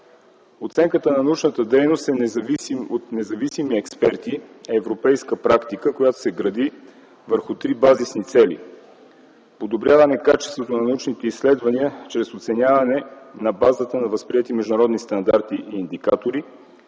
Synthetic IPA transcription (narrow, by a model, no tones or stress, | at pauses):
ot̪sɛŋkət̪ənɐnɐut͡ʃnət̪əd̪ɛjnost̪ɛnɛzɐvisimot̪nɛzɐvisimiɛkspɛɾt̪iɛɛvɾopɛjskəpɾakt̪ikəkojat̪o̥sɛɡɾɐd̪i | vəɾxʊt̪ɾibazisnit̪sɛlḭ | pod̪obɾʲjavɐnɛkat͡ʃɛst̪vot̪onɐnɐut͡ʃnit̪ɛisːlɛd̪vɐniət͡ʃɾɛsot̪sɛnʲavɐnɛnɐbazət̪ənɐvəspɾiɛt̪imɛʒd̪ʊnɐɾɔd̪nist̪ɐnd̪aɾt̪iʔiːnd̪ikat̪oɾi